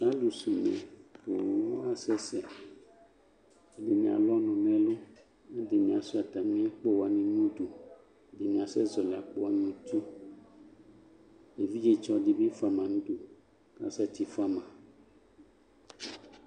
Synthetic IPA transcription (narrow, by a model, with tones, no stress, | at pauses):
sa˦lu˨si˨mḛ̃˨ko˨wo˦wo˦a˦sɛ˦sɛ˨ | e˦de˨mĩ˨a̰˨lɔ˦nɔ̃˨mɛ̃˦lo˦ | e˦de˨mĩ˨a˨su˦a˨t̪a˨mĩ˦ã˦k͡po˦wa˨nẽ˦nũ˦d̪u˨˦ | de˨mĩ˨a˨sɛ˦zɔ˨li˨a̰˨k͡po˦wa˦nĩ˦t̪u˦ | e˨vi˦d͡ʒe˦t͡ʃɔ˦ɖe˦be˦fa˦mã˨nũ˦d̪u˨ | ka̰˦sa˦t̪i˨fa˦mã˨